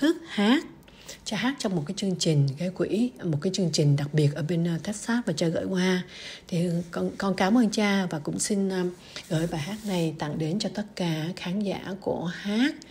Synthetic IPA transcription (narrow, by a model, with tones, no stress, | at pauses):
t̪ɨ˦˥ək̚haː˦˥t̚ | t͡ɕaː˧ɦaː˦˥t̚t͡ɕɔ˧wŋ͡mmo˨˩t̚kaː˨˦jt͡ɕɨ˧əŋt͡ɕï˨˩ŋ̟ɣaː˨˦jkwi˧˥mo˨˩t̚kaː˨˦jt͡ɕɨ˧əŋt͡ɕï˨˩ŋ̟ɗa˨˩k̚ɓi˨˩ət̚ʔəː˧˩ɓe˧nː˧t̪ʰɛ˦˥t̚saː˦˥t̚vaː˨˩t͡ɕaː˧ɣə̰ː˧˨jkwaː˧t̪ʰi˨˩kɔ˧nkɔ˧nkaː˨˦mʔəː˧nt͡ɕaː˧vaː˨˩kʊ̰˧˥ŋ͡msi˧n˧ | ɣə̰ː˧˩jɓaː˨˩jɦaː˦˥t̚na˨˩jt̪a̰˧˨ŋɗe˨˦nt͡ɕɔ˧t̪ə˦˥t̚kaː˧˩xaː˨˦nza̰ː˧˩˨ku˧˩əhaː˦˥t̚